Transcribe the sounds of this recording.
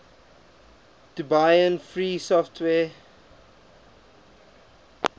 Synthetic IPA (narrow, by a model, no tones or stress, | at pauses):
d̥ubajə̃nfɹiːsɔftʰwɛː